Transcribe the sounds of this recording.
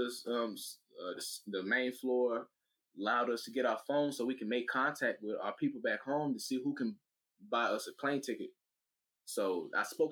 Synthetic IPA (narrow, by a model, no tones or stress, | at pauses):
ʌsʌ̃msʌðɨsðɨmẽɪ̃nflɔɹ | əlaʊɾʌstʰɨɡɛɾaʊə˞fõʊ̃nsoʊwikɨ̃n̩meɪkʰɑ̃ntʰæk̚t̚wɪða̰ʊə˞pʰipl̩ˠbækhõʊ̃mtɨsihukɨ̃n | baɪʌsɨpʰl̥ẽɪ̃ntʰɪkɨt̚ | soʊa̰ɪspoʊ